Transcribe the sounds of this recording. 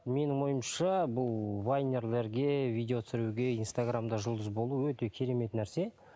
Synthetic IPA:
me̞nɪŋmo̞jəmʃɑbʊlˠvajne̞rle̞ɾɡʲe̞vijd̪ʲe̞o̞t̪sɪɾuɡʲe̞inst̪aɡramd̪ɑʒʊlˠd̪əzbo̞lˠuwɵt̪e̞kʲʰe̞ɾe̞me̞t̪næɾse̞

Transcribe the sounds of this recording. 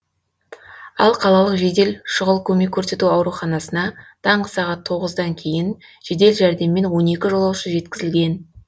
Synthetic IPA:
ɑ̰lˠqʰɑlˠɑlˠəqʒed̪e̞lʃʊʁəlˠkʲʰɵme̞kʲʰːɵɾse̞t̪uɑwɾuχɑnɑsənɑd̪̥ʰɑɴʁəsɑʁɑt̪ʰːo̞ʁəzd̪ɑŋkʲʰe̞jɪn | ʒ̥ed̪e̞lʒæɾd̪e̞mːe̞nwo̞ne̞kʲɪʒo̞lˠɑwʃəʒe̞t̪kʲɪzɪlɡʲe̞n

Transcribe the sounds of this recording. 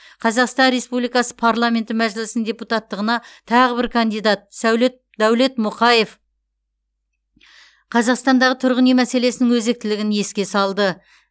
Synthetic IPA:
qʰɑzɑqst̪ɑnɾe̞spublˠijkɑsə̥pʰaɾlˠamʲe̞nt̪ɪmæʒɪlɪsɪnd̪ʲe̞put̪at̪ːəʁənɑt̪ʰɑʁəbɪɾkʰand̪ijd̪ɑt̪̚sæwlet̪̚ | d̪̥æwle̞t̪mʊqɑje̞f | qʰɑzɑqst̪ɑnd̪ɑʁət̪ʰʊɾʁənemæse̞le̞sɪnɪŋwɵze̞k̚t̪ɪlɪɡʲɪnje̞skʲe̞sɑlˠd̪ə

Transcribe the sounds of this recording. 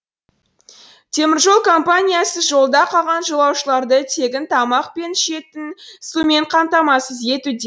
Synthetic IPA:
t̪ʰe̞mɪɾʒo̞lˠkʰo̞mpanʲijasəʒo̞lˠd̪ɑqʰɑʁɑnʒolˠɑwʃəlˠɑɾd̪ət̪ʰe̞ɡʲɪnt̪ʰɑmɑq̚pe̞nʃe̞t̪ɪnsume̞ɴqʰɑmt̪ɑmɑsəzje̞t̪ud̪e

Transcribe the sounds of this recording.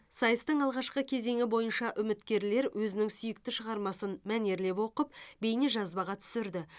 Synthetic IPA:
sɑjəst̪əɴɑlˠʁɑʃqəkʲʰe̞ze̞ŋʲɪbo̞jənʃɑʔʏmɪt̪kʲe̞ɾle̞ɾwʔɵzɪnɪŋsʏjɪk̚t̪ɪʃəʁɑɾmɑsənmæne̞ɾle̞pwo̞qəp̚be̞jneʒɑzbɑʁɑt̪ʰʏ̥sɪɾd̪ɪ

